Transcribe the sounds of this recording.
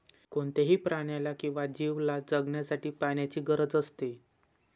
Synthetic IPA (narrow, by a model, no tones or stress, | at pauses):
koɳt̪eɦiːpɾaɳjalakĩw̃ʋad͡ʑiʋlad͡zəɡɳjasaʈiːpaɳjat͡ɕiːɡəɾəd͡zəst̪e